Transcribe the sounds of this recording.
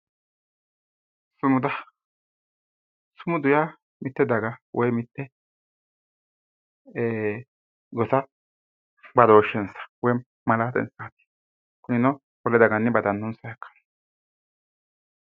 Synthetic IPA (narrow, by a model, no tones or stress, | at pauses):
sʊmʊd̪ɐ | sʊmʊd̪ʊja | mɪt̪ːɛd̪ɐɡɐwʔɔjmɪt̪ːɛ | ɡɔt̪ɐ | bɐd̪ɔːʃːɛnsɐ̥wɔj | mɐlaːt̪ɛ̰nsaːt̪i̥ | kʊnɪnɔ | bɔlɛd̪ɐɡɐnːɪbɐd̪ɐnːɔnsɐjɛkːɐ̥n